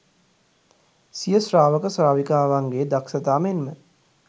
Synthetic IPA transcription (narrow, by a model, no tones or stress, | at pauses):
sijəsɾaːʋəkəsɾaːʋikaːʋaŋɡeːd̪aksət̪aːmenmə